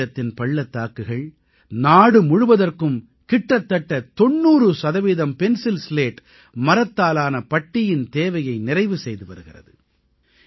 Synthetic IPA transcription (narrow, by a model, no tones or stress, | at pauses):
ɐt̪ːɪnpɐɭːɐt̪ːaːkɯɣɐɭ | naːɽɯmʊɻʊʋɐðɐrkɯm | kɪʈrɐt̪ːɐʈːɐt̪ɔnːuːrɯsɐðɐʋiːðɐmpɛnsɪlsleːʈ | mɐɾɐt̪ːaːlaːnɐpɐʈːɪjɪnt̪eːʋɐjɐɪnɪrɐɪʋɯsɛjðɯʋɐɾɯɣɪrɐ̰ðɯ